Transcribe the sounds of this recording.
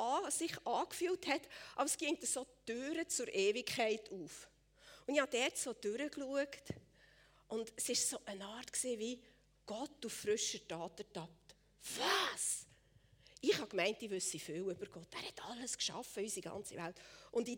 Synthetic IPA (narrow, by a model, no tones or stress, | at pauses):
ɑsɪχɑːkfyːlthɛtʔɑbəɾsɡ̥iəŋt̪əsod̥øɾət͡sʊɾʔɛːvɪkʰæɪtʰuːf | ʊndɪihɑd̥ɛːɾtsod̥øɾəkluəkt | ʔʊndɛsɪʃsoʔənɑːɾtksiːvi | ɡ̥ɔtuffɾʏʃətɑːtətɑp̚t | v̥ɑs | ɪχhɑkmɛɪntivʉsifɪːwʏb̥əɾɡ̥ɔtːæːɾhɛtʰɑlːəskʃɑ̰fəysiɡɑ̰nt͡sḭvæ̰ltʊndi